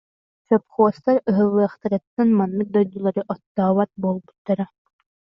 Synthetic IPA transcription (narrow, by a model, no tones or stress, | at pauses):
t͡ɕɔpχuɔst̪aɾɯɦɯlːɯɐχt̪aɾɯt̪ːanmanːɯk̚d̪ɔjd̪ulˠaɾɯʔɔt̪ːaːβat̪̚buːlˠbut̪ːaɾa